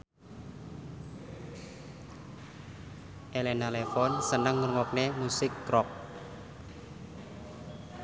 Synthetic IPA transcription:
ʔelenalefɔnsənəŋːurŋɔk̚nemusɪkːɾɔk̚

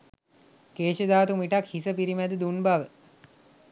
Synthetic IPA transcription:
keːʃəd̪aːt̪umiʈakhisəpiɾimæd̪əd̪unbaʋə

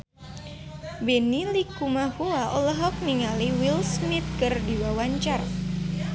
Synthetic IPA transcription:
benilikumahuaʔɔ̰lɔɦɔk̚niŋaliwilsmit̪̚kɨrdiwawaɲt͡ʃar

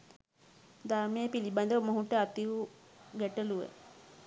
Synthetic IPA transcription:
d̪aɾməjəpiliban̆d̪əʋəmoɦuʈəat̪iu | ɡæʈəluʋḛ

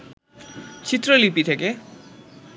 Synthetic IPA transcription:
t͡ɕʰit̪rolipit̪ʰeke

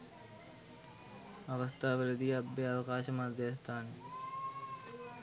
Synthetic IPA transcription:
ɐʋɐst̪aːʋələd̪iɐbːeɐʋɐkaːʃɐmaːd̪eːst̪aːne

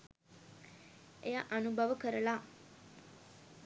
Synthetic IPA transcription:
ejaʔanubʱaʋəkəɾəla

